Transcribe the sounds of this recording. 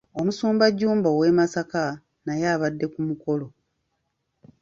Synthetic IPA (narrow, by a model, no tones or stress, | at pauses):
o̞musuːmbaɟːuːmbowe̞masaka | najaːβadːe̞kumuko̞lo̞